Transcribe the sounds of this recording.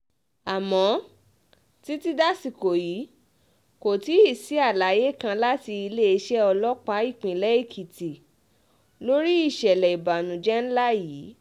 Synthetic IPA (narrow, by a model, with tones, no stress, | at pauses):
a˨mɔ̃˨˦ | ti˦ti˦da˦si˦˨ko˨ji˨˦ | ko˨ti˨˦i˦˨si˨˦a˦˨la˨˦je˦kã˧la˦ti˧i˧le˦i˧ʃɛ˦ɔ˧lɔ˦k͡pa˦i˦˨k͡pĩ˨lɛ˨˦i˦˨kʰi˨ti˨ | lo˦ɾi˦i˦˨ʃɛ˨lɛ˨i˨ba˨nũ˨d͡ʒɛ˦n̩˦la˦jiː˨˦